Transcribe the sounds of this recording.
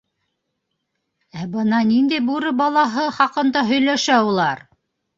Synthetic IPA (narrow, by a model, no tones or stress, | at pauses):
æbɤnɑnind̪æjbuɾɤbɑlˠɑɦɤχɑqɤ̆nd̪ɑɦɵ̆jlæʃæulˠɑɾ